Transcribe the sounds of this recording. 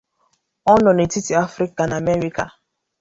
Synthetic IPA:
ɔ˦nɔ̃˨ne˨ti˦ti˨a˦fɾi˦ka˨na˨mɛ˦ɾi˦ka̰˨

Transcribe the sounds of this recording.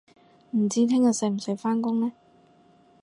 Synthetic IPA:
m̩˨˩t͡siː˨˥t̪ʰɪ˥ŋjɐ˨˧sɛ˨˧˩m̩˨˩sɵ˨˧faː˥nkʊ˥ŋnɛː˥

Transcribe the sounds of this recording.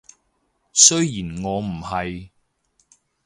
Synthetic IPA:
sɵ˥ɥjiː˨˩nŋɔː˨˧m̩˨˩hɐ˨j

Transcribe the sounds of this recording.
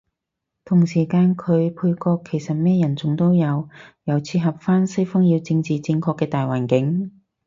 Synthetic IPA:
t̪ʰʊ˨˩ŋsiː˨˩kaː˧nkʰɵ˨˧ɥpʰuː˧jkɔː˧kʰːe˨˩jsɐ˨t̚mɛː˥jɐ˨˩nt͡sʊ˨ŋt̪o˥wjɐ˨˧wjɐ˨˩wt͡sʰiː˧ɦɐ˨p̚faː˥nsɐ˥jfɔ˥ŋjiː˧wt͡sɪ˧ŋt͡siː˨t͡si˧ŋkʰɔː˧kːɛː˧t̪aː˨jwaː˨˩nkɪ˨˥ŋ

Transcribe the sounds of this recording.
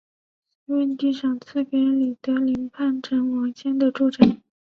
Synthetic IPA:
wə˥˧nt̪i˥˧ʂɑ˨˩ŋt͡sʰɹ̩˥˩pɛ˧˥li˨˩t̪ɤ˧˥li˧˥ŋpʰa˥˩nʈ͡ʂʰə˧˥nwɑ˧˥ŋɕjɛ˥nd̪ə˨ʈ͡ʂu˥˩ʈ͡ʂa˨˩˦

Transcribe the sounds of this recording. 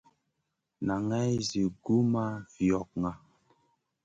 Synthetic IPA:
na˨ŋɛ˦jzi˨ɡu˦ma˦vjɔ˨k̚ŋa˨

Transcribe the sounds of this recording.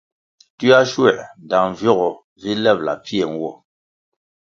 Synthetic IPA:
ti˦a˦ʃwɛ˦˨ʔn˨da˨ŋ˨vjɔ˦˨ɣɔ˨ | vi˦lɛ˦˨p̚la̰˨pi˦e˨ŋ̩˦wɔ̰˦˨

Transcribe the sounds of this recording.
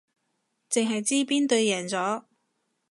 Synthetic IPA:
t͡sɪ˨ŋɦɐ˨jt͡siː˥piː˥nt̪ɵ˧ɥjɛː˨˩nt͡sɔː˨˥

